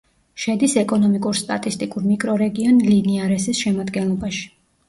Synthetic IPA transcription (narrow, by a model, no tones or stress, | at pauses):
ʃɛd̪isɛkʼɔnɔmikʼuɾst̪ʼat̪ʼist̪ʼikʼuɾmikʼɾɔɾɛɡiɔnliniaɾɛsisʃɛmad̪ɡɛnlˠɔbaʃi̥